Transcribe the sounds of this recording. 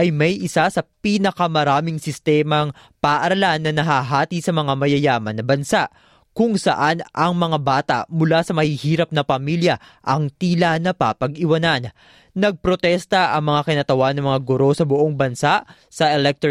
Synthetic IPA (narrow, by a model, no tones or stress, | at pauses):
ʔɐjmɐjʔɪsasɐpiːnɐkɐmɐɾaːmɪŋsɪst̪ɛːmɐŋ | pɐʔʔɐɾɐlanːɐnɐɦaːɦaːt̪isɐmɐŋamɐjɐjaːmɐnːɐbɐnsaʔ | kʊŋsɐ̰ʔanʔɐŋmɐŋabaːt̪a̰ʔmʊlasɐmɐhihiːɾɐp̚nɐpɐmiljɐ | ʔɐŋt̪iːlanɐpapɐɡɪwɐnanː | ɐɡ̚pɾo̞t̪ɛst̪ɐʔɐŋmɐŋakɪnat̪ɐwanːɐŋmɐŋaɡʊɾo̞sɐbʊʔoŋbɐnsaʔ | sɐʔɛlɛk̚t̪